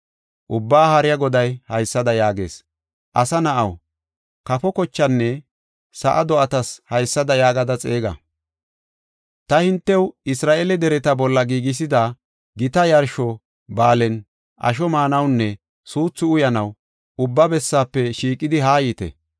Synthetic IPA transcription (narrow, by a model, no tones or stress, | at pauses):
ʔʊbːaːhɐɾɪjɐɡɔd̪ɐjhɐjsːɐd̪ɐjaːɡeːs | ʔɐsɐnɐʔɐw | kɐfɔkɔt͡ʃːɐnːɛ | sɐ̰ʔɐd̪ɔʔɐt̪ɐshɐjsːɐd̪ɐjaːɡɐd̪ɐt͡sʼeːɡɐ̰ | t̪ɐhɪnt̪ːɛwɪsɾaːʔelɛd̪ɛɾɛt̪ɐbɔlːɐɡiːɡɪs̬ɪd̪ɐ | ɡɪt̪ɐjɐɾʃɔ | baːlɛn | ʔɐ̰ʃ̬ɔmaːnɐwnːɛ | suːt͡sːʊʊjɐnɐw | ʊbːɐbɛsːaːpːɛʃiːkʼːɪd̪ɪɦaːjiːt̪ɛ̰